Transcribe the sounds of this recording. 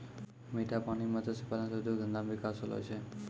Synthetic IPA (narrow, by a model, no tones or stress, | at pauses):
miʈapaɽ̃imət̪əsipalnasud̪ʱuɡʱənd̪amʋɪkasolɔ̰jt͡ʃʰe